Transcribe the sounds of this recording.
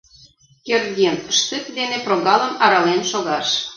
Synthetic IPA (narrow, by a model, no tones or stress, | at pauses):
kʲerd̪ʲinəʃt̪ɨt̪d̪eneproɣɑlə̆mɑɾɑlenʃoɣɑʃ